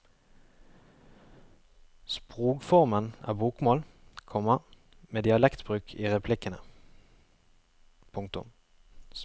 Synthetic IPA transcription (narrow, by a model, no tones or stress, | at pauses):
spʁuːkfɔʁmənæ̰ːbuːkmoːlkʰɔmɑ | meːd̪ɪɑlɛkt̪bʁʉːkʰiːʁɛpʰlɪkənə̰ | pʰʊŋk̚t̪ʊ̰m